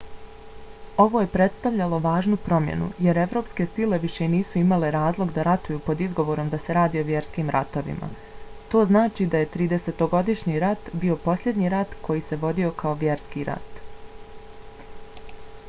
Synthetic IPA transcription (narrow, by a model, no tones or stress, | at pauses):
o̞ʋo̞je̞pɾe̞t̪st̪aʋʎalo̞ʋaːʒnupɾo̞mjḛnṵje̞ɾe̞ʋɾo̞ːpske̞sile̞ʋiʃe̞niːsuimale̞ɾaːzlˠo̞ɡd̪aɾat̪ujuːpo̞d̪izɡo̞ʋoɾo̞md̪ase̞ɾaːd̪io̞ʋje̞ɾskiːmɾʔa̰t̪o̞ʋḭma̰ | t̪o̞ːznaːt͡ʃid̪aje̞t̪ɾiːd̪e̞se̞t̪o̞ɡo̞d̪iʃɲiɾat̪bio̞po̞sʎʲe̞d̪ɲiɾat̪kʰo̞jiːse̞ʋo̞d̪io̞kao̞ʋje̞ɾskiɾa̰t̪